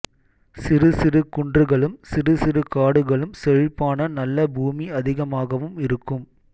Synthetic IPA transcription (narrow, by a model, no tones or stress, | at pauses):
sɪrɯsɪrɯkʊɳdrɯɣɐɭɯmsɪrɯsɪɾɯkaːɽɯɣɐɭɯmsɛɻɪpːaːnɐnɐlːɐbuːmiɐðɪɣɐmaːɣɐʋɯmɪɾɯkːɯm